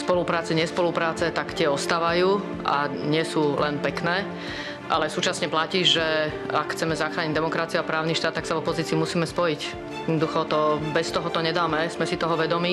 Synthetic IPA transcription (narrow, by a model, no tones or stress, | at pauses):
spɔlupɾaːt͡sɛɲɪɛspɔlupɾaːt͡sɛt̪akt̪ɪɛɔst̪aːʋajuː | a̰ɲɪɛsuːlɛnpɛknɛː | ʔa̰lɛsuːt͡ʃasɲɛplaciːʒɛ | akxt͡sɛmɛzaxɾaːɲiɟd̪ɛmɔkɾat͡siuapɾaːʊniʃt̪aːt̪ːaksavɔpɔziːt͡siumusiːmɛspɔjic | jjɛd̪ɔd̪uxɔt̪ɔbɛst̪ɔɦɔt̪ɔɲɛd̪aːmɛzmɛsit̪ɔɦɔʋɛd̪ɔmiː